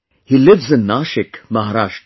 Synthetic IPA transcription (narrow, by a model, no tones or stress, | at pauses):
hiːlɪʋzɪnːaːʃɪkmɐɦaɾaːʂʈ